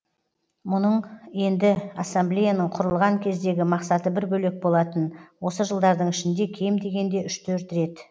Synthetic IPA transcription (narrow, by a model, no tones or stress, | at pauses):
mʊnəɴje̞nd̪ɪasːamblʲejanəɴqʰʊɾəlˠʁɑŋkʲʰe̞zd̪e̞ɡʲɪmɑqsɑt̪əbɪɾbɵle̞k̚bo̞lˠɑt̪ənwo̞səʒəlˠd̪ɑɾd̪əɴɪʃɪnd̪e̞kʲʰe̞md̪e̞ɡʲe̞nd̪e̞ʏʃt̪ʰɵɾt̪ɾe̞t̪